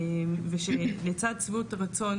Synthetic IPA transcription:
mveʃelet͡sad̪̚t͡svutaʁat͡so̞n

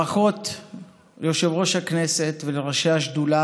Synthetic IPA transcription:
aχo̞t | lejo̞ʃe̞vʁo̞ʃhakne̞se̞t̪veleʁaʃeaʃdula

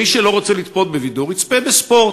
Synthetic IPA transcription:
iʃelo̞ʁot͡selit̪po̞d̪̚bevid̪uʁit͡spebespo̞ʁt

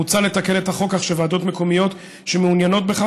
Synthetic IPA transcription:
ut͡sale̞t̪akene̞t̪haχo̞kaχʃevaːd̪o̞tmeko̞mijo̞t̪ | ʃemeunjano̞t̪̚beχa

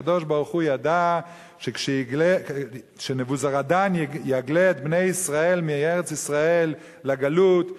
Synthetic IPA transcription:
ad̪o̞ʃbaʁuχujad̪a | ʃekʃe | ʃenevuzaʁad̪anjeaɡlet̪bnejisʁae̞lmieʁet͡sisʁaelː | aɡalut̪

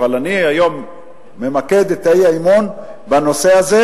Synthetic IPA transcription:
valaniajo̞mː | emake̞d̪et̪aiaimon | bano̞se̞aze

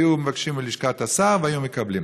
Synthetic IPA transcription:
jumevakʃimiliʃkat̪asaʁveajumekablim

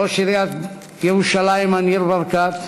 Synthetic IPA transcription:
oʃiɾiat̪ | jɛʁuʃalaimaniɾbaɾkat̪

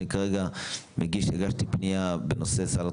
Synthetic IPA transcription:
ikaʁeɡameɡiʃheɡaʃt̪ipnijabeno̞se̞sala

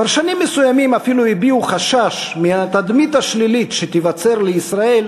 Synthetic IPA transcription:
paʁʃanimːesujamimafiluibiuχaʃaʃmiat̪ad̪mit̪aʃlilit̪ʃet̪ivat͡se̞ʁleisʁae̞l

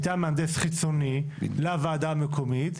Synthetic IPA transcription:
t̪ameand̪esχit͡soni | lavaːd̪aːmekʰomit̪

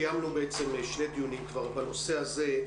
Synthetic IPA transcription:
jamlubeet͡se̞meʃled̪ijunimkvaʁbano̞se̞aze̞

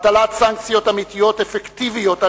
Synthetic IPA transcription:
t̪alat̪saŋkt͡sijo̞t̪amit̪ijo̞tefekt̪ivijot̪a

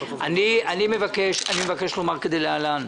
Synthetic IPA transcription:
a̰nianimevakeʃanimevakeʃlomaʁked̪elealan

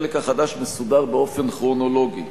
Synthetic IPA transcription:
lekaχad̪aʃmesud̪aʁbeo̞fenχʁono̞lo̞ɡi

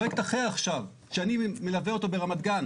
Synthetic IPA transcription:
eke̥t̪aχeaχʃav | ʃeanimelaveo̞t̪obeʁamat̪̚ɡan

